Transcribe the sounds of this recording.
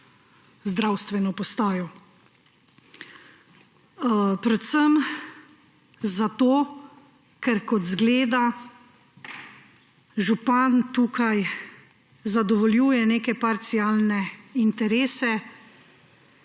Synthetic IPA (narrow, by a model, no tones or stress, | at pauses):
zd̪ɾawst̪ʋɛnɔpɔst̪aːjɔ | pɾɛt̪səm | zat̪oː | kɛɾkɔt̪zɡleːd̪a | ʒupant̪uːkaj | zad̪ɔʋɔljuːjɛneːkɛpaɾt̪siaːlnɛint̪ɛɾeːsɛ